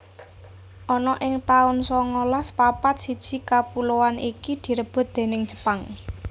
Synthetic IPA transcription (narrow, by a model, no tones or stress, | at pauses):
ʔɔnɔʔɪŋt̪aʊnsɔŋolaspapat̪̚sid̥ʒ̥i̤kapuloanikid̪̥i̤ɾəb̥ʊ̤t̪̚d̪̥e̤nɪŋ̥d͡ʒ̥ə̥paŋ